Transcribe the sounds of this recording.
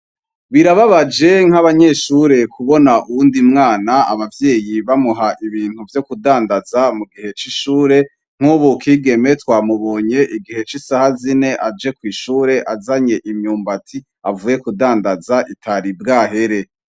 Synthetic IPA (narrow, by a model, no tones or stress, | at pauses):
βiɾaβaβad͡ʒe̞ŋ̥haβaɲe̞ːʃuɾe̞kʰuβo̞naʔuwuːndimŋaːnaa̰βavjeːjiβamuɦaʔiβiːn̥huvjo̞kudaːndazamuɡihe̞t͡ʃiʃuːɾe̞ | ŋ̥huβukʰiːɡe̞me̞twaːmuβo̞ːɲe̞ʔiɡihe̞t͡ʃisahazine̞ʔad͡ʒe̞kwiːʃuːɾe̞ʔazaɲe̞ʔimɲuːmbatʰi | avuːje̞kudaːndazaʔitʰaɾibɡaːɦe̞ɾe̞